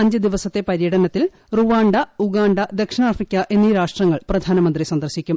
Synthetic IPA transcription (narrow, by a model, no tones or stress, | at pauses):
ɐɲd͡ʑɨd̪iʋɐsɐt̪ːe̞pɐɾjɐɽɐnɐt̪ːil | ruʋaːɳɖɐuɡaːɳɖɐd̪ekʂɐɳaːrfikʲːɐʔe̞nːiːɾaːʂʈrɐŋːɐɭprɐd̪ʱaːnɐmɐnd̪risɐnd̪ɐrɕikʲːum